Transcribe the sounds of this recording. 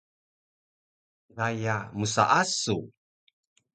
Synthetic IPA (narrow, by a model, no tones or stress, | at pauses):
dajamusa̰ʔasu